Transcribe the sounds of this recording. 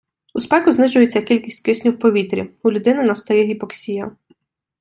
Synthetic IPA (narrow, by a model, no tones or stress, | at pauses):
uspɛkʊznɪʒʊjet͡sʲːɐkʲilʲkʲisʲtʲkɪʃʲnʲiwpɔʋʲit̪ɾʲḭʊlʲʊd̪ɪnɪnɐst̪ɐjɛɦʲibɔksʲijɐ